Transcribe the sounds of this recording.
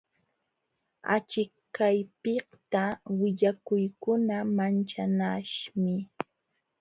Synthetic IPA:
a̰t͡ʃɪkkajpɪht̪awɪʎakʊjkʊnamant͡ʃanaʃmɪ

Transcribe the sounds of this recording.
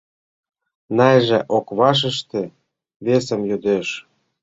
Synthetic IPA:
nɑjʒĕʔokβɑʃ̬ə̆ʃt̪ĕ | βesə̆mjod̪eʃ

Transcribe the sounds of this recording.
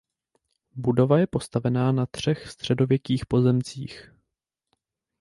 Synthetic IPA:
budo̞vajɛpo̞st̪avɛnaːnat̪r̝̥ɛxfst̪r̝̥ɛdo̞vjɛkiːxpo̞zɛmt͡siːx

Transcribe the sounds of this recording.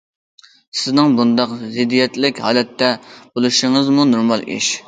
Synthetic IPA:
sɪznɪŋbund̪ɑqzɪd̪ːijɛt̪lɪkʲhɑ̰ːlɛt̪ʰːɛb̥olˠuʃiŋɨzmunoɾmɑlˠḭʃ

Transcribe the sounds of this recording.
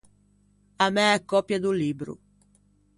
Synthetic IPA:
amɛɛkːɔpːjad̪ulibɾṵ

